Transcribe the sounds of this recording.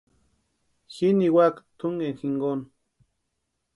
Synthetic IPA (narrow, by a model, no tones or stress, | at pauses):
xiniwakt̪ʰuŋenxiŋɡon